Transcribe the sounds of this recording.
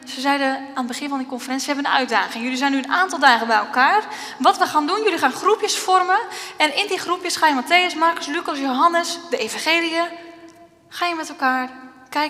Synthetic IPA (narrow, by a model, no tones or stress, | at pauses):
səzɛjdəaːnəbəxɪnfɔndikonfərɛnsihɛbənənœ̰ɥt̚daːχɪŋjylizɛjnyənaːntɔlˠdaːɣəbɛjɛlˠkaːr | ʋɔtʋəxaːndunjølixaːnxrupjəsfɔrməɛnɪndixrupjəsxajəmateːəsmarkəslykɔsjowɦanəsdəeːfãnxeːliə | xaːjəmɛtɛlˠkaːr | kɛj